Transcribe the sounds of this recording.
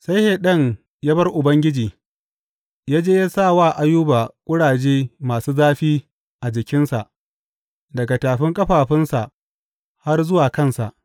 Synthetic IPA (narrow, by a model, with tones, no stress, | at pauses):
sa˦jhe˨ɗɐ˦˨ŋ | jaː˦bɐ˦rʔʊ˨bɐ˦ŋɡʲɪ˦d͡ʒiː˨ | jaː˦d͡ʒeː˦ja˦saː˦˨waː˦˨ʔa˦jʊː˦baː˨kʷʼʊ˦ɽaː˨d͡ʒeː˦maː˨suː˦zaː˦ɸiː˦ | ʔa˨d͡ʒɪ˨kʲɪ˦nsa˨ʔ | dɐ˨ɡa˨taː˨ɸɪ˦ŋkʼɐ˦ɸaː˨ɸɪ˦nsa˨ʔ | ha˦rzʊ˦waː˨kɐ˦nsa̰˨ʔ